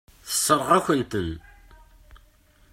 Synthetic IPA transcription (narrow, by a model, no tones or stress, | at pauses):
θə̥sːəɾˤʁæçʷənt̪ən